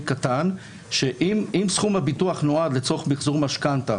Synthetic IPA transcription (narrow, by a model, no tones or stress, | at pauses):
katan | ʃeʔimimsχumhabituaχnoad̪let͡soχmiχzuʁmaʃkanta